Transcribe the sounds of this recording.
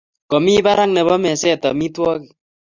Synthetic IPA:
kɔ˨mi˦ba˦ɾa˦ŋnɛ˨bɔ˦mɛ˨sɛ˦˨tɔ˨mi˦twɔ˦ki˨

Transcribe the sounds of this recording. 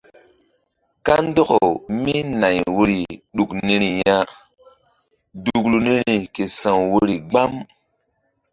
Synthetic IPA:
ka˦n˦dɔ˦ko˨mi˦na˨jwo˦ɾi˨ɗu˨kni˦ɾi˨ja˦ | du˨klu˨ni˦ɾi˨ke˨sã˨wwo˦ɾi˨ɡ͡ba˦m

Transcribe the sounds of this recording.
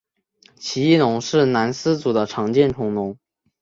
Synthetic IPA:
t͡ɕʰi˧˥i˥˩lʊ˧˥ŋʂɻ̩˥˩na˧˥nsɹ̩˥t͡su˨˩d̪ə˦ʈ͡ʂʰɑ˧˥ŋt͡ɕjɛ˥˩nʈ͡ʂʰʊ˧˥ŋnʊ˧˥˦ŋ

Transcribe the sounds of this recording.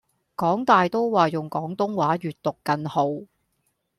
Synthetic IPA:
kɔː˨˥ŋt̪aː˨jt̪o˥wwaː˨jʊ˨ŋkɔː˨˥ŋt̪ʊ˥ŋwaː˨˥jyː˨t̚t̪ʊ˨kːɐ˧nho˨˧˥w

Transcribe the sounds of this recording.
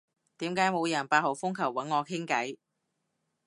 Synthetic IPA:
t̪iː˨˥mkaː˨˥jmo˨˧wjɐ˨˩npaː˧t̚ho˨˩wfʊ˥ŋkʰɐ˨˩wːɐ˨˥nŋɔː˨˧kʰɪ˥ŋkɐ˨˥j

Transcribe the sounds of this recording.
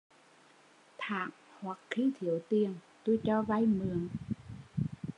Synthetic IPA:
t̪ʰaː˨˩ŋ | hwa˨˩kxi˧˥t̪ʰi˨˩˦əwt̪i˧˩əŋ | t̪u˧jt͡ɕɔː˧va˧˩jmɨ˨˩əŋ

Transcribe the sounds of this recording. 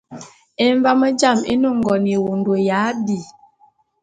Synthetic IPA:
e˨ɱ˦va˦mə˦d͡ʒa˦˨mḛ˦no˦˨ŋ̩˨ɡɔ˨n˨e˨wo˨n˨dwo˨ja˨˦di˨

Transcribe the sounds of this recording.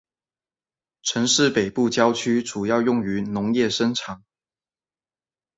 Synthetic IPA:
ʈ͡ʂʰə˧˥ŋʂɻ̩˥˩pe˨˩ɪpu˥˧t͡ɕjɑ˥ʊt͡ɕʰy˥ʈ͡ʂu˨˩jɑ˥˧ʊjʊ˥˩ŋy˧˥nʊ˧˥ŋjɛ˥˩ʂə˥nʈ͡ʂʰɑ˨˩˦ŋ

